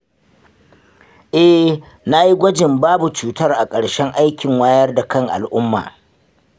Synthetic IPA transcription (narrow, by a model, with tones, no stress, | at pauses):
ʔɛ˦ | na˦ji˦ɡʷɐ˦d͡ʒɪ˨mbaː˦bu˨t͡ʃuː˨tɐ˦rʔa˨kʼɐ˨ɽʃɛ˦ŋʔa˦jkʲɪ˨ŋwaː˦jɐ˦rda˨kɐ˦ŋʔa̰˨lʔʊ˦mːa̰ː˨